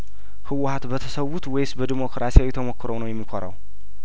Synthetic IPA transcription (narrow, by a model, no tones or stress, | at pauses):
hɨwhat̪bət̪ʰəsəwːut̪wejsbəd̪imo̞kɾasijawit̪ʰəmo̞kːɨɾownəwjɛmːikʷʰoɾə̰w